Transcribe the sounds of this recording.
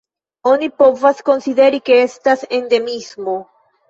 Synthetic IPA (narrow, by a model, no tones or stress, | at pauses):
o̞nipo̞vasko̞nsid̪e̞ɾike̞e̞stase̞nde̞mismo̞